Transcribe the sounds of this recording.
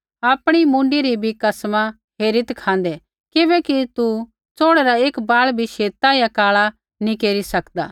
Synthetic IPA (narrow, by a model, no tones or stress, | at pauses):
aːpɽ̃imũːɳɖiɾibʱikɐsma | ɦeːɾit̪kʰãːn̆d̪ɛ | kɪbɛkit̪u | t͡soːɽɛɾaeːkbaːɭbʱiʃeːt̪ajakaːɭa | nĩkeːɾisɐkd̪a̰ː